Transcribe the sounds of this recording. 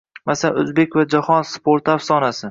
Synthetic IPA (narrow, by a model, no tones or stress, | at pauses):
masala̰nɵzbekʲvad͡ʒahɒnspʰoɾt̪afsɒnasɪ